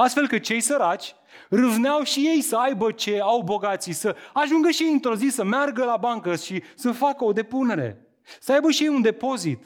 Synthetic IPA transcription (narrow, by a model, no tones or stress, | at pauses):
ast̪fe̞lkɨt̪̚t͡ʃe̞jsəɾat͡ʃʲ | rɨvneawʃije̞jsəajbət͡ʃe̞awbo̞ɡat̪sisəaʒuŋɡəʃieint̪ɾo̞zisəmearɡəlabaŋkəʃisəfakəo̞d̪e̞pune̞ɾe̞̰ | səajbəʃije̞jund̪e̞po̞zit̪